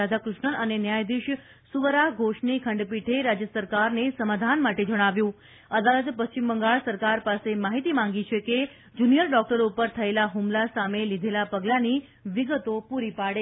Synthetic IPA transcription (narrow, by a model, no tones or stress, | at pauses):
ad̪ʱakɾʊʃɳəlʔənenjajd̪iʃ | suʋəɾaɦɡʱoʃɳikʰəɳɖpiʈʰeɾad͡ʒjəsəɾkaɾnesəmad̪ʱanmaʈed͡ʒəɽ̃aʋjũ | əd̪alət̪pəst͡ʃimbəŋɡaɭsəɾkaɾpasemaɦit̪imãŋɡit͡ʃʰeke | d͡ʒunijəlɖɔk̚ʈəɾupəɾt̪ʰəelaɦumlasamelid̪ʱelapəɡlani | ʋiɡət̪opuɾipaɽe